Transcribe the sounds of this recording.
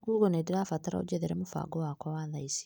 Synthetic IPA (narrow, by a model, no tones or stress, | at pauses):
ɡuɡonediɾafataɾa̰o̰ɟɛðɛɾɛmofa̰ɡɔwakɔwaːðaisi̥